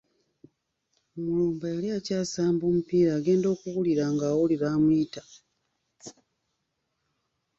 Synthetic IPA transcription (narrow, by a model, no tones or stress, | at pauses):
omuluːmbajaliacaːsaːmboːmupiːɾaːɡe̞ːndo̞ːkuɣuliɾaŋɡaːwoliβaːmwiːta